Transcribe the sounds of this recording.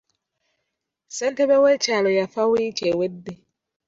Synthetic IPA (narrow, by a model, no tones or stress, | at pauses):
sɛntebewet͡ʃalojafawit͡ʃewedːe